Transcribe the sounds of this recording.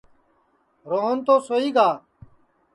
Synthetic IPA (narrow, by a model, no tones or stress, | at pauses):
ɾoːɦont̪oːsoːiːɡaː